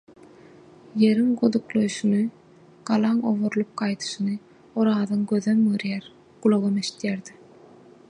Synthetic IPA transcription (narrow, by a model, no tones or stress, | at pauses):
je̞ɾiŋɡod̪uqlˠojʃunɯ | ɡ̥ɑlˠɑŋo̰βoɾlˠup̚qɑjt̪ʰɯ̥ʃɯnɯ | oɾɑːðɯŋɡøðømɯɾjæɾ | ɡ̥ulˠoɣomeʃi̥t̪jæɾd̪i